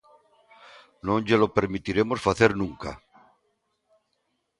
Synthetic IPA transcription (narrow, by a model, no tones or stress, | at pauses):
nõŋʎelopeɾmit̪iɾemosfaθeɾnũŋka̰